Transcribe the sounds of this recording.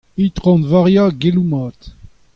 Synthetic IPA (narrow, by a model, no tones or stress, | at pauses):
it̪ʁɔ̃nvaʁjaɡelumaːt̪